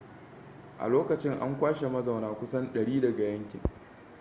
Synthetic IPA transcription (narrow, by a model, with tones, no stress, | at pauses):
ʔa̰˨loː˦kɐ˨t͡ʃɪ˦ŋʔa̰˦ŋkʷaː˦ʃe˨mɐ˦za˨wnaː˨kʷʊ˦sɐ˦nɗɐ˨ɽiː˦dɐ˨ɡa˨jɐ˦ŋkʲɪ̰˨ŋ